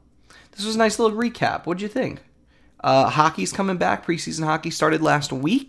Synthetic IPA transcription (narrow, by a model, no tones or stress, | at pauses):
ðɪswʌzənaɪslɪɾl̩ˠɹikʰæ̰pwʌt̚d̥ɨɨθɪ̃ŋk | ʔʌhɑkiz̥kʰʌ̃mɪ̃ŋbæ̰k̚pʰɹ̥isiz̃n̩hɑkistɑɹɾɨdˡlæst̚wik